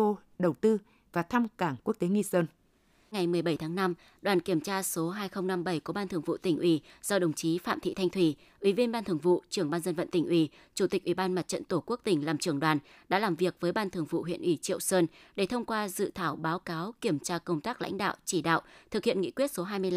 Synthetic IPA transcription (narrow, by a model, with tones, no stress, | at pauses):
o˧ɗə˨˩wt̪ɨ˧ | vaː˨˩t̪ʰa˧mkaː˧˩ŋku˦˥ək̚t̪e˨˦ŋi˧səː˧n | ŋa˨˩jmɨ˨˩əjɓə˧˩jt̪ʰaː˨˦ŋna˧m | ɗwaː˨˩nki˧˩əmt͡ɕaː˧so˨˦ɦaː˧jxə˧wŋ͡mna˧mɓə˧˩jku˧˩ɓaː˧nt̪ʰɨ˨˩əŋvṵ˧˨t̪ï˧˩ŋ̟ʔwi˧˩z̥ɔ˧ɗə˨˩wŋ͡mt͡ɕi˨˦fa̰ː˧˨mt̪ʰḭ˧˨t̪ʰa˧jŋ̟t̪ʰwi˧˩ | ʔwi˧˩vi˧ənɓaː˧t̪ɨ˨˩əŋvṵ˧˨t͡ɕɨ˧˩əŋɓaː˧nzə˧nvə̰˧˨nt̪ï˧˩ŋ̟ʔwi˧˩ | t͡ɕu˧˩t̪ï˨˩k̚ʔwi˧˩ɓaː˧nma˨˩t̚t͡ɕə̰˧˨nt̪o˧˩ku˦˥ək̚t̪ï˧˩ŋ̟laː˨˩mt͡ɕɨ˧˩əŋɗwaː˨˩n | ɗa̰ː˧˥laː˨˩mvi˨˩ək̚vəː˨˦jɓaː˧nt̪ʰɨ˨˩əŋvṵ˧˨ɦwḭ˧˨ənʔwi˧˩t͡ɕḭ˧˨əwsəː˧nɗe˧˩t̪ʰə˧wŋ͡mkwaː˧zɨ̰˧˨t̪ʰaː˧˩wɓaː˨˦wkaː˨˦wki˧˩əmt͡ɕaː˧kə˧wŋ͡mt̪aː˦˥k̚la̰˧˥jŋ̟ɗa̰ː˧˨wt͡ɕi˧˩ɗa̰ː˧˨wʔt̪ʰɨ˨˩k̚hḭ˧˨ənŋḭ˧˥kwi˦˥ət̚so˨˦ɦaː˧jmɨ˧əl